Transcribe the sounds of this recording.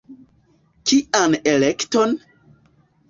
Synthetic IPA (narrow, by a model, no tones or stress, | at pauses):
kiʔanelekton